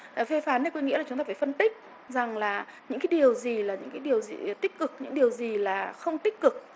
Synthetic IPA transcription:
fe˧faː˨˦nːa˧˨˩kwŋḭ˧˥lːt͡ɕʊ˨˦ŋ͡mt̪aː˧˩faː˧˩fə˧nt̪ï˦˥k̟̚ | za˨˩ŋlaː˨˩ɲɨ̰˧˥ŋkaː˨˦ji˨˩əwzi˨˩laː˨˩ɲɨ̰˧˥ŋkaː˨˦jɗi˨˩əwzi˨˩t̪ï˦˥k̟̚kɨ˨˩k̚ɲɨ̰˧˥ŋɗi˨˩əwzi˨˩laː˨˩xə˧wŋ͡mt̪ï˦˥k̟̚kɨ˨˩k̚

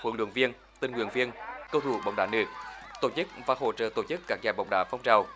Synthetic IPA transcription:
xwə̰˨˧˦lwə̰˧˨nvi˧ən | t̪i˧˩nŋwi˧˨˩ənvi˧ənkə˧wt̪ʰu˧˩ɓa̰˧˩wŋ͡mɗaː˧˩˦nɨ˨˦˩ək̚t̪o˧˩t͡ɕɨ˦˥k̚vaː˨˩ɦo̰˧˩t͡ɕə̰ː˧˩t̪o˧˩t͡ɕɨ˦˥kkaː˦˥k̚zaː˨˩jɓa̰˨˧˩wŋ͡mɗa̰ː˧˩fɔ˧wŋ͡mt͡ɕaː˨˩w

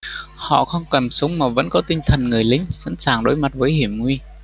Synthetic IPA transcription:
hɔ̰˧˨xə˧wŋ͡mkə˨˩nsə˨˦wŋ͡mmaː˨˩və̰˧˥nkɔ˨˦t̪ï˧ŋ̟t̪ʰə˨˩nŋɨ˨˩əjlï˨˦ŋ̟sa̰˧˥nsaː˨˩ŋɗo˨˦jma˨˩t̚vəː˨˦jhi˧˩əmŋwi˧

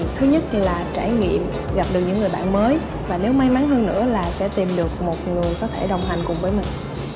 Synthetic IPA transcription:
t̪ʰɨ˨˦ɲə˦˥t̚laː˨˩t͡ɕaː˧˩jŋḭ˧˨əm | ɣa˨˩p̚ɗɨ˨˩k̚ɲɨ̰˧˥ŋɨ˨˩jɓa̰ː˧˨nməː˨˦j | vaː˨˩ne˨˦wma˨˧jma˨˦nɦəː˧nːɨ̰˧˥əlaː˨˩sɛ̰˧˥t̪i˨˩mɗɨ˨˩ək̚mo˨˩t̚ŋɨ˨˩əjkɔ˨˦t̪ʰe˧˩ɗə˨˩wŋ͡mɦa˨˩ŋ̟kʊ˨˩ŋ͡mɓəː˨˦jmï˨˩ŋ̟

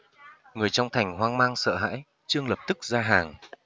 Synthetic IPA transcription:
ŋɨ˨˩əjt͡ɕɔ˧wŋ͡mt̪ʰa˨˩jŋ̟hwaː˧ŋmaː˧ŋsə̰ː˧˨ɦa̰ː˧˥j | t͡ɕɨ˧əŋlə˨˩p̚t̪ɨ˦˥k̚zaː˧ɦaː˨˩ŋ

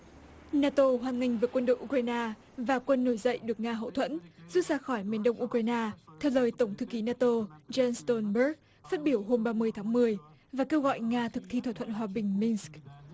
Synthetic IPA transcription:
naː˧t̪o˧ɦwaː˨˩nŋï˧˩ŋ̟vəː˨˩kwə˧nɗo̰˧˨jʔu˧k̚waː˧jnaː˧ | vaː˨˩kwə˧nːo˧˩jzə̰˧˨jɗɨ˨˩ək̚ŋaː˧ɦə̰˧˨wt̪ʰwə̰˧˥nzu˦˥saː˧xɔ˧˩jmi˨˩ənɗə˧wŋ͡mʔu˧kwaː˧jnaː˧t̪ʰɛ˧˩ləː˨˩jt̪ə˧˩wŋ͡mt̪ʰɨ̰˧˩ki˨˦naː˧t̪o˧zɛ˧nst̪ɔ˧nɓə˦˥k̚ | faː˦˥t̚ɓi˧˩əwɦo˧mɓaː˧mɨ˧əjt̪ʰaː˨˦ŋmɨ˨˩əj | vaː˨˩ke˧wɣɔ̰˧˨jŋaː˧t̪ʰɨ˨˩k̚t̪ʰi˧t̪wa˧˩t̪ʰə̰˧˨nɦwaː˨˩ɓï˨˩ŋ̟mi˧nsk̚

